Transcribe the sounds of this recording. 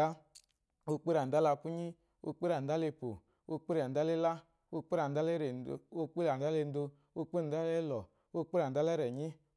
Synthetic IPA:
a˦ | o˧k͡pe˦ɾa˨a˦la˧pu˦ɲi˦ | o̰˧k͡pe˦ɾa˨da˦le˧po̰˨ | o˧k͡pe˦ɾa˨n̩˨da˦le˦la˦ | o˧k͡pe˦ɾa˨n̩˨da˦le˦ɾe˨˧o˧k͡pi˦la˨n̩˨da˦le˧n̩˦do˧ | o˧k͡pe˦˨da˦le˦lɔ˨ | o˧k͡pe˦ɾa˨da˦lɛ˦ɾɛ˨ɲi˦

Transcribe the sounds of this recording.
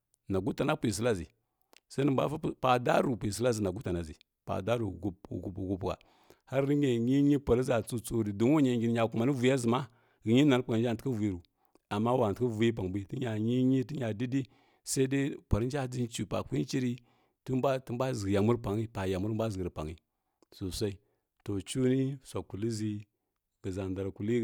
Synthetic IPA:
na˨ɡu˦ta˨na˦pʷi˨s̬i˦la˦zḭ˨ | sa˦ni˨mba̰˦fpa˨da˦ɾu˨pʷi˨s̬i˦la˦zi˨na˨ɡu˦ta˨na˨zi˨ | pa̰˨da˦ɾṵ˨ɡu˦p̚ṵ˨ɡu˨bu˨ɡu˦pa̰˨ | ha˦ɾi˦ɲe˨ɲi˦ɲi˦pa˨ɾi˦za˨t͡su˦t͡su˦ɾi˨du˨˦o˦ɲa˨ŋɡi˨n˨ɲa˨ku˨ma˨ni˦vu˨ja˦zi˨ma˦ | ɣi˨ɲi˦na˨ɾpa˨ɾnd͡ʒa˦˨ti˦a˦vu˨i˨ɾu˨ | a˨mːa˦wa˨tkə˦vu˨ji˦p̬a˨ŋbi˦ti˦ɲa˨ɲi˦ɲi˦ti˦ɲa˨di˦di˦ | sa˦i˦de˦pa˨ɾi˦n˦d͡ʒa˦d͡zi˦nt͡ʃu˨pa̰˨ki˦t͡ʃi˦ɾi˦ | tu˦mba˦ti˦m˦ba˦zɡi˨ja˨mu˦ɾpa˨ŋi˦pa˨ja˨mu˦ɾm˦ba˦zɡi˨ɾi˨pa̰˨ŋi˨ | su˨sʷa˦i˦ | to˨t͡ʃu˦ni˦sʷa˨ku˨li˦zi˦ | ɡ̥ə˨za˨nda˨ɾku˨li˦

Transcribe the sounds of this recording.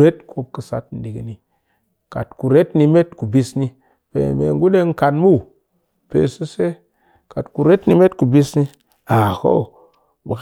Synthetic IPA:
ɾe˦tkʰo˦p̚kə˨sa̰˦tn̩˨di˨ɡi˦ni˨ | ka˨tku˨ɾe˦tni˦me˦tku˨bi˦sni˦ | pḛ˨mḛ˨ŋ˦ɡu˦le˦ŋ̩˦ka˨nmu˦˨ | pḛ˨sə˦se˦ | ka˨tku˨ɾe˦tni˦me˦tku˨bi˦sni˦ | a˨ko̰˦˨ | bə˨k

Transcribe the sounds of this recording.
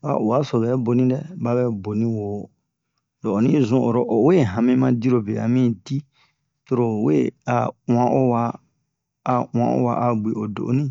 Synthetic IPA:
a̰˨o˨wa˦so˨bɛ˨˦bo˨nĩ˦dɛ˦ba˦bɛ˦bo˨nĩ˦wo˨˦ | lo˨o˨nĩ˦zũ˦ʔo˨ɾo˦ʔo˨we˦˨ɦã˨mĩ˦mã˦di˦ɾo˨be˨a̰˨mĩ˦di˦ | to˧ɾo˨we˦˨a̰˨w̃ã˦ʔo˦waː˧˨ | ã̰˨˦ʔo̰˦wa˨ʔa˨ɡ͡be˨o˨do̰˨ʔo̰˦nĩ˦

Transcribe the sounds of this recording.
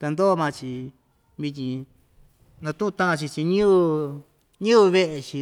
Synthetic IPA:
t̪a˧nd̪o˦˧mã˧t͡ʃi˧ | βi˧t̪ʲĩ˧ | nã˧t̪ũ˦ʔũ˧t̪ã˦ʔã˧t͡ʃi˧t͡ʃi˧ɲũ˦˧ | ɲũ˦˧βe˦ʔe˧t͡ʃi˧

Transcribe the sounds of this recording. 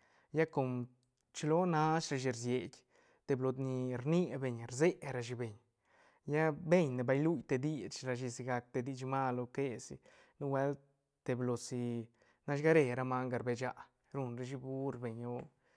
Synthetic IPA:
ja˦ko˧m | t͡ʃlo˦na˦ʃɾa˧ʃi˧ɾzje˨ɡʲ | t̪e˧blo˧d̪ni˧ɾni˦be˧˨ɲɾze˦ɾa˧ʃ̬i˧be˨ɲ | ja˦be˦˧ɲne˨ba˧jlu˦˧jt̪e˧d̪i˦t͡ʃɾa˧ʃ̬i˧si˧ɡa˧k̚t̪e˧d̪i˧t͡ʃma˦lo˧ke˧sḭ˧ | nu˦we˦l | t̪e˨blo˨˧si˧ | na˧˦ɡa˦ɾe˧˨ɾa˧ma˧ŋɡa˧ɾbe˧d͡ʒa˧ | ɾu˧nɾe˧ʃ̬i˧bu˦ɾbe˨ɲo˦

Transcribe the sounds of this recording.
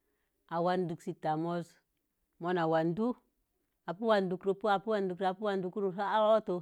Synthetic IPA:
a˨wa˦ndu˨ksi˨ta˨mo˦z | mo˦na˨wa˨ndu˦ | a˨pu˦wa˨ndu˨kɾo˨pu˦a˨pu˦wa˨ndu˨kɾa˨pu˦wa˨ndu˨ku˦ɾu˨sa˦a˦wa˦to˨

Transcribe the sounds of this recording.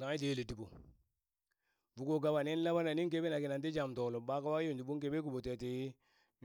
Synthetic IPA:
a˨˦i˦te˨˦le˨ti˨bo˨ | vu˨ɡo˦˨ɡa˦ba˨ne˦n˦la˦ba˦na˨ni˦ŋk̬e˦be˦na˨ki˨na˨nt̬i˦d͡ʒa˨mto˨lo˨ba˦ka˦wa˦jo˦˨ndi˨bu˦ŋke˦be˦k̬u˨bo˨te˨ti˨˦

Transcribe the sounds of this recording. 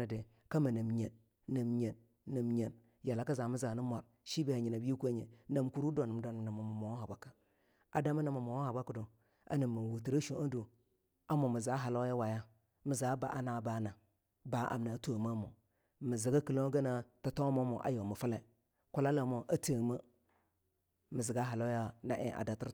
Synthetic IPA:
a˨de˨ | ka˦mi˨nə˨mɲe˨n | nə˨mɲe˨nː | ə˨mɲe˨n | ja˨la˨˦ka˦za˨mi˦za˨ni˦mʷa˨ɾ | ʃi˦be˨ha˨ɲi˨na˨bi˦ku˦a˦ɲe˨na˨mku˦ɾu˦do˨n˨m˨do˨n˨na˨ma˨m˨mo˨wha˨ba˦kḁ˨ | a˨da˦ma˦na˨ma˨mo˨wo˦ha˨ba˦ku˨do˨ | a̰˨nə˨mːi˨wu˨ti˨ɾa˦ʃo˨a˦du˨ | a˦mo˨mi˨za˨˦ɦa˨lo˦a˦wa˨ja˦ | mi˨za˨˦ba˨ʔa˦na˨˦ba˨˦na˨ | ba˨ʔa̰˨mna˨˦to˨ma˦mo˨ | mi˨zi˨ɡa˦kə˨lo˦ɡa˦na˨ta˨to˦mo˦mo˨ʔa̰˦jo˨mə˨fa˦la˨ | ku˦la˦la˨mo˨ʔa˦tə˨ma˦ | mi˨zi˨ɡa˦ɦa˨lo˦ja˦na̰˦ʔḛ˨ʔa̰˨da˨ti˦

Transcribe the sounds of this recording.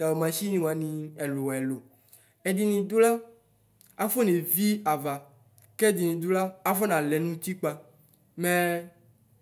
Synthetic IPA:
t̪a˨we˨mã˨ʃi˦nĩ˨wa˨˦nĩ˨ɛ˨lo˨wɛ˨lo˨ | ɛ˨di˨nĩ˨d̪o˦la˦ | a˦fo˦nẽ˨vi˦a˨va˨ | kɛ˦˨di˨nĩ˨d̪u˦la˦a˦fɔ˦nã˨lɛ˨nũ˦t̪i˦k͡pa˦ | mɛ̃˦

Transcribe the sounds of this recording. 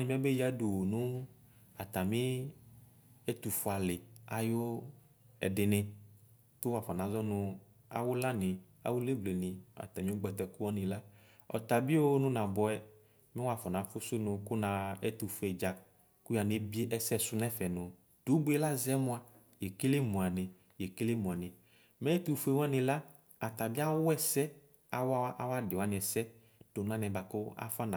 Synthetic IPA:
nĩ˨m˦ɛ˦be˦ja˦do˨wo˨nʊ̃˦ | a˨t̪a˨mĩ˦ | ɛ˦t̪u˨fu˨˦a˨lɪ˨a˨jo˦ | ɛ̰˨dɪ˨nɪ̃˨ | tʊ˦wa˨fɔ˨nã˨˦zɔ˦nʊ̃˨ | a̰˨wʊ˦la˦nɪ̃˨ | a̰˨wʊ˦le˦ble˨nɪ̃˨a̰˨t̪a˨mĩ˦ɡ͡bɔ˨t̪ɛ˨ku˦ɔ˦nĩ˨la˦ | ɔ̰˨t̪a˨bi˦o˦nʊ̃˦nã˨bɔ˨˦ɛ˦ | mɪ̃˦wa˦fɔ˨nã˨˦fʊ˦sʊ˦nʊ̃˨kʊ˦nã˧ɛ˦tu˨fɛ˨d͡ʒa˨ | kʊ˦ja˨ne˦bi˦e˦ʔɛ˦sɛ˦˨sʊ˦nɛ˦fɛ˨nʊ̃˨ | d̥u˨˦bu˦ɛ˦la˦zɛ˦mʊ̃˦a˨ | je˨ke˦le˦mũ˨a˨nɪ˨ | jɛ˨ke˦le˦mũ˨a˨nɪ˨ | mɛ˦ɛ˦tu˨fu˦e˨wɔ˦nɪ̃˧la˦ | a˨t̪a˨bi˦a˦wʊ˦ɛ˦sɛ˦ | a˨wa˦a˦ʔa˦wa˦dɪ˨wa˨˦nɪ̃˨ɛ˨sɛ˦ | d̥o˨nã˦nɛ˨ba˨kʊ˦a̰˦fa˦na˨

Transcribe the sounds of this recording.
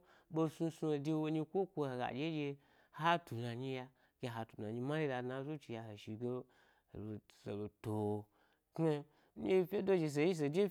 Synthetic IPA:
bo˧su˧su˧˨de˧wo˧ɲi˧kʷo˦kʷo˧e˨ɡa̰˨d͡ʒe˦d͡ʒe˧ | ha˦tu˨na˨ɲi˧ja˧ | ke˧ɦa˨˧tu˨na˨ɲi˧ma˦li˦da˧na˧˦zo˦t͡ʃi˧˨ja˧ho˨ʃi˨ɡḛ˦˨ | lso̰˨lo˨to˨ | k | e˦ji˧fʲe˦do˦d͡ʒe˧s̬e˨ji˦s̬e˨d͡ʒe˦

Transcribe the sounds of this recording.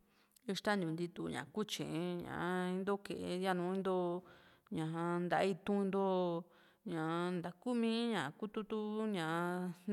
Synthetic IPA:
i˧ʂt̪a˦nd̪ʲũ˨nd̪i˧t̪u˧ɲã̰˨ku˦t͡ʃḛ̃˨˧ɲã̰˨˧ĩ˧˦nd̪o˦ke˨e˧ja˦˧nũ˧˦ĩ˦nd̪o˦ | ɲã˨ɦã˧nd̪a̰˧˦i˦˧t̪ũ˦˧nd̪o˦ | ɲã˨˧nd̪a˨ku˦mĩ˦ɲã˨˧ku˦t̪u˦t̪u˦ɲã˨˧

